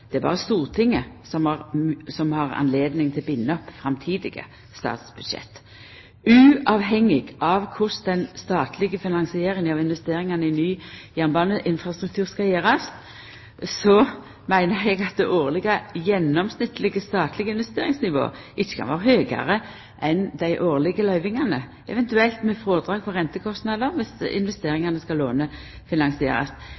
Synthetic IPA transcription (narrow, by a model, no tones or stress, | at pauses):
d̪̥ɛæɾbɑ̰ːʁəst̪uːʁt̪ʰɪŋːəsɔmɑʁsɔmhɑʁɑ̰nleːd̪nɪŋt̪ʰɪlbɪnːəɔpːfʁɑmt̪ʰiːd̪ɪ̰ɡə̰ | st̪ɑ̰ːt̪sb̥ʉd̪ʃɛ̰t̪ː | ʉːɑʋɦɛŋːɪɡɑʋkʰʊsd̪ɛnst̪ɑːt̪lɪɡəfɪnɑŋsɪeːɾɪŋəɑʋɪnʋɛst̪eːɾɪŋɑnəɪnyːjæːʁnbɑːnəʔɪnfʁɑst̪ɾʉk̚t̪ʰʉːʁskɑjeːʁɑs | sɔ | mæɪnəɾɛɡɑt̪̚d̪ɛʔoːʁlɪɡɑjɛnːɔmsnɪt̪ːlɪɡəst̪ɑːt̪ʰlɪɡəɪnʋɛst̪eːɾɪŋsnɪʋo̰ː | ʔɪt͡ʃːə̥kʰɑ̰nʋoːɾhøːɡɑ̰ʁə | ʔɛnd̪æɪʔoːʁlɪɡəlœʏʋɪŋɑnə | ʔɛ̰ʋɛnt̪ʉɛlt̪mɛfɾoːd̪ɾɑːɡ̚pʰɔʁɛnt̪əkʰɔst̪nɑd̪əʁʋɪsɪ̰nʋɛst̪eːɾɪŋɑnəskɑloːnə | fɪnɑŋsɪḛːɾɑ̰st̪